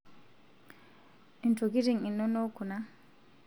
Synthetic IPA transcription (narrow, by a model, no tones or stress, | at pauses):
ʔintoɡiɾiŋinːɔnɔkuna